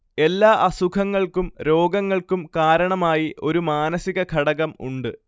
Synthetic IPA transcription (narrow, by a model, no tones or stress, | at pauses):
e̞lːaːʔɐsukʰɐŋːɐɭkumɾo̞ːɡɐŋːɐɭkumkaːɾɐɳɐmaːjiʔo̞ɾumaːnɐsiɣɐkʰɐɽɐɣɐmṵɳɖɨ